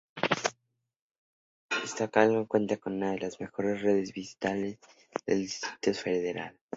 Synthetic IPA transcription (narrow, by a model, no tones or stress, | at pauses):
est̪akalmakwe̞nt̪akonunaðelazmexo̞ɾe̞sreðezβisi̥t̪alez | ðḛld̪ist̪ɾi̥t̪osfeðeɾa̰les